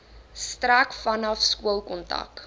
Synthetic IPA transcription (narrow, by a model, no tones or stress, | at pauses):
strækfɐnɐfskuəlˠkɔntɐ̰k